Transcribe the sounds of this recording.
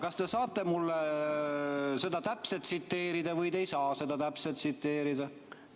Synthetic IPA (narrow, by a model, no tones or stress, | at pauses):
kɑst̪e̞sɑːt̪ːe̞mulːe | se̞d̪̥ɑt̪æpset̪sit̪ːe̞ːɾid̪̥ɑvɤjd̪e̞jsɑːse̞d̪̥ɑt̪æpset̪sit̪ːe̞ːɾid̪̥ɑ